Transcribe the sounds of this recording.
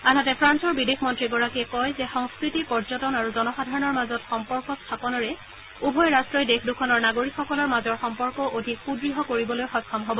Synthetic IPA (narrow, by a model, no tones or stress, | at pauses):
aɦatɛpʰɹansɔɹbidexʰmɔntɹiɡɔɹakɛkɔjzɛxɔŋskɹitipɔɹzɔtɔnaɹuzɔnɔxadʱaɹɔnɔɹmazɔtxɔmpɔɹkɔstʰapɔnɔɹɛ | ubʱɔjɹastɹɔjdexʰdukʰɔnɔɹnaɡoɹikxɔkɔlɔɹmazɔɹxɔmpɔɹkɔʔodʱikxubɹiɦɔkoɹibɔlojxɔkʰːɔmɦɔbɔ